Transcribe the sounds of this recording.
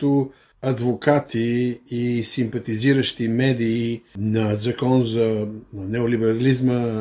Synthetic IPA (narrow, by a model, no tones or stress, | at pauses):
t̪ʊ | ɐd̪vokat̪ʰiː | simpɐt̪iziɾəʃt̪imɛd̪iːnɐzɐkɔnzɐnɛolibɛɾɐlizmə